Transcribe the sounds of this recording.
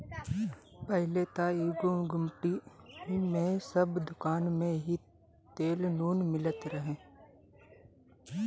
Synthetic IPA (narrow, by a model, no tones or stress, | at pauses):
pəɦlet̪aːiːɡʊɡʊmʈiɦmẽsəbd̪ʊkaːnmẽɦi | t̪eːlnuːnmɪlət̪ɾəɦẽː